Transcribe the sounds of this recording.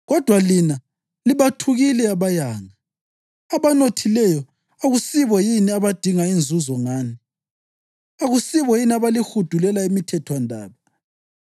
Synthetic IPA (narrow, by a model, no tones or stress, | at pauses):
ɣɔd̥ʱwalina | liβatʰuɣilɛaβajaːŋa | aβanotʰilɛjɔ | aɣusiβɔjiniaβad̥ʱiŋaind͡zʱuzɔŋaːni | aɣusiβɔjiniaβalixud̥ʱulɛlaimitʰɛtʰwandʱa̰ːβa